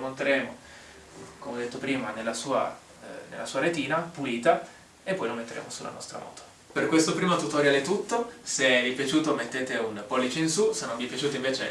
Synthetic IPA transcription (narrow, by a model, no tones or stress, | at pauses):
mont̪eɾeːmo | komɔd̪ːet̪ːopɾiːmanelːasuːa̰ | nḛlʔasuːaɾet̪iːnapuliːt̪a | epːɔjlomːet̪ːeɾḛːmosulːʔa̰nɔ̰st̪ɾa̰mɔ̰ːt̪ʰo̥ | perkwest̪opɾiːmot̪ut̪oɾjaːlet̪ut̪ːosevipjat͡ʃuːt̪omet̪ːeːt̪eunpɔlːit͡ʃeinsusenːõɱvipjat͡ʃuːt̪oiɱveːt͡ʃḛ